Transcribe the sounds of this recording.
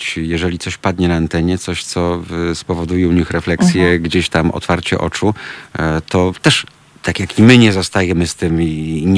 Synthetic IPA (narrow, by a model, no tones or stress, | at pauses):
t͡ɕjɛʐɛlʲit̪sɔɕpad̪̚ɲɛnaːnt̪ɛɲɛt̪sɔɕt̪sɔspɔvɔd̪ujɛuɲixɾɛflɛksʲjɛɡd͡ʑeɕt̪amɔ̰t̪faɾt͡ɕɛ̰ʔɔ̰t͡ʂu | t̪ɔt̪ɛʂ | t̪ʰakʲjakimɘɲɛzɔst̪ajɛmɘst̪ɘmiɲ